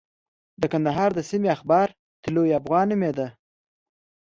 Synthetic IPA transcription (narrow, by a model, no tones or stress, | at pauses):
d̪əkand̪aɦɑːɾd̪əsimiaxbɑɾ | t̪ɪlojafɣɑnimed̪a